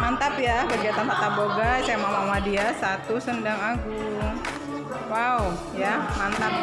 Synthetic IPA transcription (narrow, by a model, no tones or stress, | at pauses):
mant̪apjakəɡiat̪anfat̪aboɡasajamamamadiasat̪usəndaŋaɡu | wau | jamant̪ap̚